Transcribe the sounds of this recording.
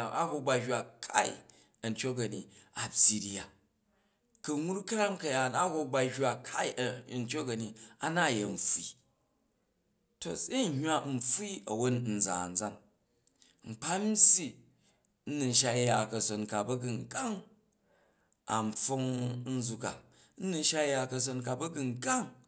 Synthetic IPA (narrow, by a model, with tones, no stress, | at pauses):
a˦ho˦ba˧ha˨kʰa̰˦ḭ˦˨ | ɐ˨n̩˨tʲo˦kɐ˨ni˨a˨pʲi˨ɾi˦ja˨ | kɐ˨ŋu˦ɾkɐ˦ɾa˦mkɐ˨ja˨na˦ho˧ɡ͡ba˧hʲa˨kʰa˦i˦˨n̩˨tʲo˦kɐ˨ni˨a˨na˦˨je˨n̩˨ɸi˨ | to̰˨se˦˨hʲwa˦n̩˨ɸi˦ɐ˨wo˦nn̩˨d͡za̰ː˨n̩˨d͡za˦ŋ | ŋ͡m̩˨k͡pa˦m̩˦sʲi˦ | n̩˦nu˨n̩˨ʃa˧˦ja˨kɐ˨so˨nka˨bɐ˦ɡɨ˨ŋ˨ɡa˦ŋ | a̰˨m̩˨fo˦ŋn̩˦zu˧ka̰˨ | n̩˦nu˧n˦ʃa˦ja˨kɐ˧s̬o˧nka˨bɐ˦ɡɨ˧ŋ˨ɡa˦ŋ